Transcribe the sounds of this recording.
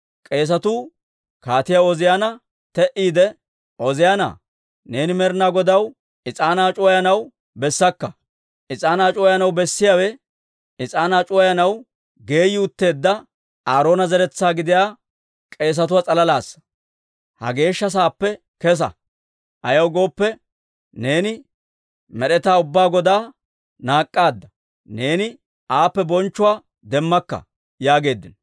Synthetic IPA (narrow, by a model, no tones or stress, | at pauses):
kʼe̞ːs̬ɐt̪uː | kaːt̪ɪjawɔzɪjanɐ | t̪ɛʔiːd̪ɛ | ʔɔzɪjana̰ | ne̞ːnɪmɛɾnaːɡɔd̪ɐw | ɪt͡sʼaːnaːt͡ʃʼɔjɐnɐw | bɛsːɐkːɐ | ʔɪt͡sʼaːnaːt͡ʃʼɔjɐnɐwbɛsːɪjawɛ | ɪt͡sʼaːnaːt͡ʃʼɔjɐnɐw | ɡe̞ːjɪʊt̪ːe̞ːd̪ːɐ | aːɾo̞ːnɐzɛɾɛt͡sːaːɡɪd̪ɪjaː | kʼe̞ːs̬ɐt̪ʊwaːt͡sʼɐlɐlaːsːɐ̥ | hɐ̰ɡe̞ːʃːɐs̬aːpːɛ | kɛs̬ɐ̰ | ʔɐjɐwɡo̞ːpːɛ | ne̞ːnɪ | mɛɗɛt̪aːʊbːaːɡɔd̪aː | naːkʼːaːd̪ːɐ | ne̞ːnɪ | aːpːɛbɔnt͡ʃːʊwaː | d̪ɛmːɐkːɐ̰ | jaːɡe̞ːd̪ːɪn